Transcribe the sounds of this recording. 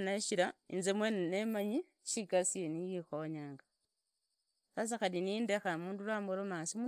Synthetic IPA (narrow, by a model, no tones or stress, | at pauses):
naʃiɾainzemwenenemaɲi | ʃiɡasienijixoɲaːŋɡa | sas̬axalinindexamuːndulwaːmoɾomasimu